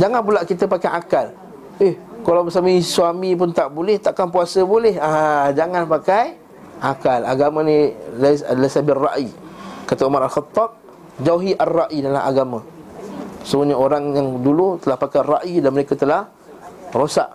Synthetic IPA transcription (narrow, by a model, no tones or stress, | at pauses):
d͡ʒaŋanpulaʔkit̪əpakajʔakal | ehkalawbəsamisuamĩpʊnt̪aʔbolɛht̪aʔkanpuasəbolɛhad͡ʒaŋanpakaj | ʔakala̰ɡamãnĩlalasabɪrːa̰ʔikat̪əumaɾalxət̪ːɑb̚ | d͡ʒawɦiʔarːaʔidala̰ɦa̰ɡamã | səuɲaoɾaŋjaŋdulut̪əlahpakajraʔidanməɾekat̪əlah | rosa̰ʔ